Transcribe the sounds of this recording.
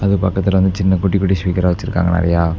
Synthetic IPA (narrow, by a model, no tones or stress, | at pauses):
ɐðɨpɐkːɐt̪ːilʋɐnd̪ɨt͡ɕinːɐkuʈːikːuʈːiɕʋiːkɐɾaːʋɐt͡ɕːiɾukːa̰ːŋːɐ̰ɳɐ̰rijaː